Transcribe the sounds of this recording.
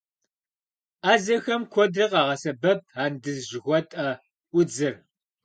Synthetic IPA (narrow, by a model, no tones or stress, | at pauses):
aːzɐxɐmkʷʰɔdrɨqɑːʁɐsɐbɐp̚aːndɨzʒɣʷɔtʼɐ | ʊd͡zɨr